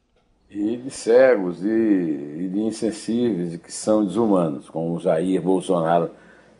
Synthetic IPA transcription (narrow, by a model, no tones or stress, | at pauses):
ɪd̪ɪsɛɡʊzɪː | d̪ɪĩsẽsivejzɪkɪ̥sɐ̃w̃d̪ɪzumɐ̃nʊskõmʊʒaiɾbowsonaɾʊ